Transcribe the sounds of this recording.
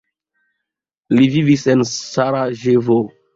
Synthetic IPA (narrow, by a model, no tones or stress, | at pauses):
livivisensaɾaʒevo